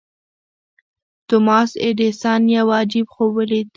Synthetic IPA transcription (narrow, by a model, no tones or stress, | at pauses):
t̪ʊmɑsḛd̪esɑnjawɑd͡ʒɪbxowəlit̪